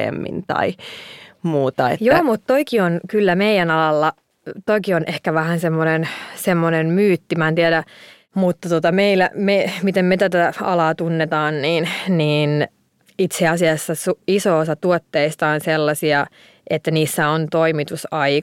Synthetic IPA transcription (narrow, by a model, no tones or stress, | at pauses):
ḛmːḭnt̪ɑ̰i | muːt̪ɑḛtjoːmut̪t̪oikionkylːæmeijænɑlɑlːɑ | t̪oikionʔehkæʋæhænsemːonensemːonenmyːt̪ːimæːnt̪iæɾæ | mut̪ːɑt̪ot̪ɑmeilæ̰memit̪emmet̪æt̪æɑ̰lɑːt̪unːet̪ɑːnniːnniːn | it̪seɑsiɑsːɑsuisoːsɑt̪uot̪ːeist̪ɑonselːɑsiɑ | ʔet̪ːæniːsːæont̪oimit̪usɑi